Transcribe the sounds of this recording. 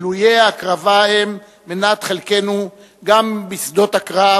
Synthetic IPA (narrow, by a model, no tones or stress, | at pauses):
lujeakʁavaemː | enat̪χelke̞nu | ɡambisd̪o̞t̪hakʁa